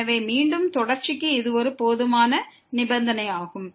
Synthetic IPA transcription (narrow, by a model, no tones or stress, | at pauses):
ɐʋeːmiːɳɖɯmt̪ɔɽɐɾt͡ʃɪkːɯɪðɯɔɾɯpoːðɯmaːnɐ | nɪbɐnd̪ɐnɐɪaːɣɯm